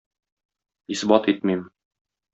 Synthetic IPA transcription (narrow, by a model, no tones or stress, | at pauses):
isbɑt̪it̪̚mim